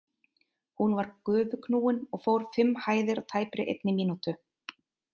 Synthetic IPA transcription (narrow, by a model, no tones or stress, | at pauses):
hunvaɾkʏːvʏkʰnuːwɪnɔɣfoːwɾ̥fɪmːhaːjðɪɾawt̪ʰaːjpɾɪʔḛjt̪nɪmiːnut̪ʏ